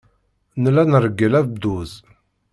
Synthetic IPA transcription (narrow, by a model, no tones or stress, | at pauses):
nəlænəɾəɡːəlævd̪uz